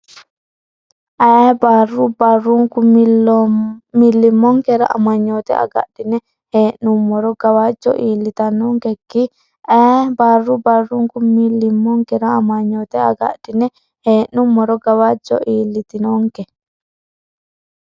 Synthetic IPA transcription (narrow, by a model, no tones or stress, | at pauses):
ʔabarːubaruŋkum | milːimːɔŋkɛɾa̰ʔa̰maɲːɔt̪ɛ̰ʔa̰ɡa̰ʔd̥inɛ | heːʔnumːɔɾɔɡawad͡ʒɔ̰ʔiːlːit̪anɔŋkɛkːi | ʔabarːubarːuŋkumilːimːɔŋkɛɾaːmaɲːɔt̪ɛa̰ɡa̰ʔd̥inɛ | heːnumːɔɾɔɡawad͡ʒɔ̰ʔiːlːit̪inɔŋkɛ